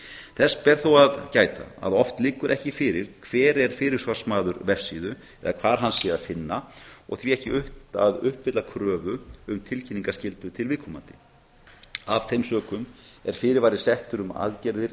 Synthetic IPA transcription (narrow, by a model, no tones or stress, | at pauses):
θɛspɛɾ̥θuwaðcaːjt̪a̰a̰ðɔft̪lɪːkʏɾʔɛhcɪfɪːɾɪɾ̥kʰvɛːɾɛɾ̥fɪːɾɪɾ̥svar̥smaːðʏɾvɛfsiːðʏ | ɛ̰ðakʰv̥aːɾ̥ɦanːsɛːðafɪnːaɔ̰ɣθviɛhcɪʏht̪aðʏhpːɪt̪lakʰɾœːvʏʏmt̪ʰɪlcʰinːiŋkascɪlt̪ʏt̪ʰɪlvɪðkʰɔma̰nt̪ɪ | av̥θejmsœːkʏmɛɾ̥fɪːɾɪɾvaːjɾɪsɛht̪ʏɾʏma̰ðcɛɾðɪɾ